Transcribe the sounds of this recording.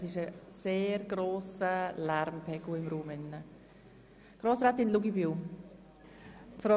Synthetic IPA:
sɪʃəseːɾɡɾoːsəlæɾmpʰɛɡ̥uɪmɾuːmɪnːə | ɡ̥ɾoːsɾɛːt̪ɪnluɡibiw | fɾɔ

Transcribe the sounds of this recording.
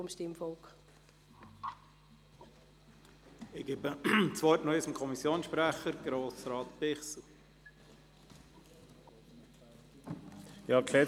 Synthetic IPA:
ʊmʃtɪmfɔlk | ɪɡ̥ebət͡sʋœʏtnœʏsəmkʰɔmisjoːnsʃpɾæχəɾɡ̥ɾoːsɾɑːt̪pɪχsl | jɑkʰlɛː

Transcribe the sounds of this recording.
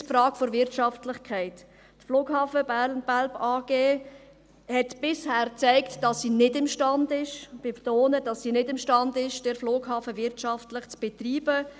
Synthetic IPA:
fɾɑːkfoɾvɪɾtʃɑftlɪχkʰɛɪt | tfloːkhɑːfəbælbɑːɡ̥eː | hɛtb̥ɪshæːɾt͡sɛɪktd̥ɑsːiːnɪdɪmʃtɑndɪʃb̥etoːnəd̥ɑsːiːnɪdɪmʃtɑndɪʃd̥ɪɾfloːkhɑːfəvɪɾtʃɑftlɪχt͡sb̥etriːbə

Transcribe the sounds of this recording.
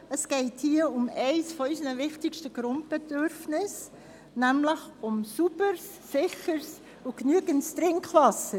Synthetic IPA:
əsɡ̥ɛɪthiːəʊmɛɪsfɔysənəvɪχtɪkʃtəɡ̥ɾʊnt̚b̥edʏɾfnɪs | nɛmləxʊmsubəɾsːɪχəɾs | uknyəɡəntstɾɪŋkχvɑsə

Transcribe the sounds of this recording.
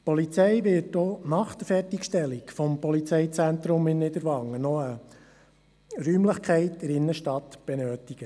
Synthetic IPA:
pɔlit͡sɛjʋɪtdɔːnɑχd̪̥əfɛrtikʃtɛlːikfɔmpɔlit͡sɛɪt͡sænt̪ɾʊmɪnːɪd̪əɾʋɑŋːənɔə | ɾyːmləχkʰɛɪtdɛɾɪnːəʃtɑt̪b̥enøːtiɡ̥ə

